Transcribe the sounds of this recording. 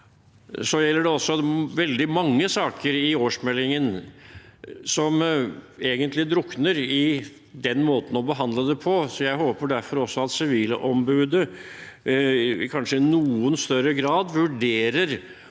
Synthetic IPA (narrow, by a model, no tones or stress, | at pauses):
sɔjɛlːəɖɛɔsːɔʋɛld̪ɪmɑŋːəsɑːkʰəɾɪoːʂmɛlːɪŋən | sɔmeːɡənt̪lɪd̪ɾʊknəɾɪ | d̪ɛnːmoːt̪n̩ɔbəɦɑnd̪ləd̪ɛpʰɔsɔjæɪɦoːpəɖæɾfɔɾɔsːɔɑt̪sɪʋiːlə̰ʔɔmbʉːd̪ə | ɪkʰɑnʂəɪnuːənst̪œɾəɡɾɑːd̪ʋʉɖeːɾəɾ